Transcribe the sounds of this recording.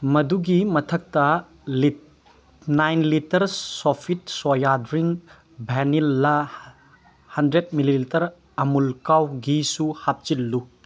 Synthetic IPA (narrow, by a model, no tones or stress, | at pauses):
mɐduɡimɐtʰɐk̚tɐ | li | najnlitɐɾsopʰit̚sojadɾiŋ | bʱɛnilːɐ | hɐndɾet̚mililitɐɾ | ɐmulkawɡisuhap̚t͡ʃilːu